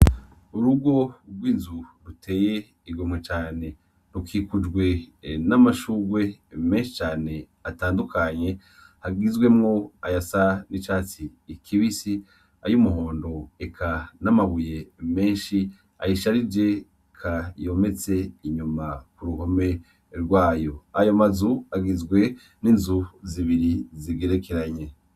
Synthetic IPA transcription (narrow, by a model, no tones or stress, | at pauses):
uɾuɡo̞ɡwiːnzuɾutʰe̞ːje̞ | iɡo̞mŋet͡ʃaːne̞ | ɾukiːkud͡ʒɡwe̞namaʃuɡwe̞me̞ːnʃi̥t͡ʃaːne̞ | ataːndukʰaɲe̞ | haɡizɡwe̞mŋo̞ajasanit͡ʃaːt͡siːkʰiβisi | a̰jumuɦoːndoekʰanamaβuje̞me̞ːnʃi | a̰jiʃaɾid͡ʒe̞ | kʰajo̞me̞t͡se̞iɲumakuɾuhome̞ | ɾɡwaːjo̞ajomazuaɡizɡwe̞ | ninzuziβiɾiziɡeɾe̞keɾaɲe̞